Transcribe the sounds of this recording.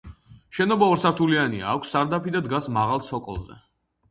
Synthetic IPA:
ʃɛnɔbaɔɾsaɾt̪ʰuliania̰ːkʷʰsːaɾd̪apid̪ad̪ɡasmaʁalˠt̪sʰɔkʼɔ̰lˠzɛ̰

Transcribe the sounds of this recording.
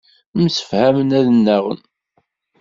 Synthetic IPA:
msə̥fhæmənæðnːæʁə̰n

